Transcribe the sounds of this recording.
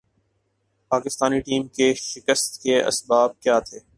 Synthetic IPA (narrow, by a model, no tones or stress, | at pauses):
paːkɪst̪aːniʈiːmkeʃɪkəst̪keɐ̰sbaːb̚kjaːt̪ʰeː